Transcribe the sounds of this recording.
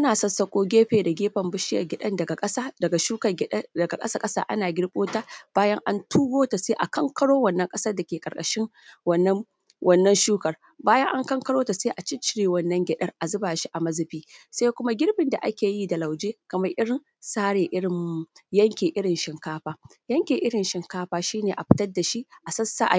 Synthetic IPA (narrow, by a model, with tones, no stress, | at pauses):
ʔʔa˦naː˨sɔ˦nsɐ˦kʷʼoː˦ɡʲeː˦ɸeː˨da˨ɡʲeː˦ɸɐ˨mbʊ˦ʃɪ˦jɐ̰˨ɡʲɪ˨ɗɐ˦ndɐ˨ɡa˨kʼɐ˦saː˦dɐ˨ɡa˨ʃuː˦kɐ˨ɡʲɪ˦dɐ˨ɡa˨kʼɐ˦sa˦kʼɐ˦sa̰ː˦ʔa˦naː˨ɡʲɪ˦ɽɓʼoː˦taː˦b̥aː˦jɐ˦ŋʔa˦ntʰuː˦ɡoː˦ta˨seː˦ʔa˨kɐ˦ŋkɐ˦ɽoː˦wɐ˨nːɐ˦ŋkʼɐ˦sɐ˦rda˨kʲeː˨kʼɐ˨kʼɐ̰˨ʃɪ˦ŋ | wɐ˨nːɐ˦ | wʔɐ˦nːɐ˦nʃuː˦kɐ˨r | baː˦jɐ˦ŋʔa˦ŋkɐ˦ŋkɐ˦ɽoː˦ta˨seː˦ʔa˨t͡ʃɪ˦t͡ʃɪ˦ɾeː˨wɐ˦nːɐ˦ŋɡʲɛ˨ɗɐ˦rʔa˨zʊ˦baː˨ʃi˦ʔa˨mɐ˦zɪ˨ɸiː˦sa˦kʷʊ˦ma˦ɡʲɪ˦ɽbɪ˨nda˨ʔa̰˦kʲeː˨ji˦da˨la˨wd͡ʒeː˦kɐ˨mɐ˦rʔɪ˦ɽɪ˨n | saː˦ɽeː˨ʔɪ˦ɽɪ˨mːu˦jɐ˦ŋkʲeː˨ʔɪ˦ɽɪ˨nʃɪ˨ŋkaː˦ɸaː˦ | jɐ˦ŋkʲeː˨ʔɪ˦ɽɪ˨nʃɪ˨ŋkaː˦ɸaː˦ʃiː˦neː˨ʔa˨ɸɪ̥˦tɐ˦rda˨ʃi˦ʔʔa˨sɐ˦sa˦ʔa˨